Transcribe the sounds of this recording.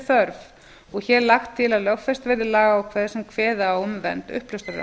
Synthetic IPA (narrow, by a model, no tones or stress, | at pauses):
θœɾv | ɔɣçɛɾlaxt̪ʰːɪlaðlœɣfɛst̪vɛːɾðɪlaːɣaawkʰvɛːð̥sɛmkʰvɛːðaɔmvɛ̰nt̪ʏ̰hplʏst̪aɾða̰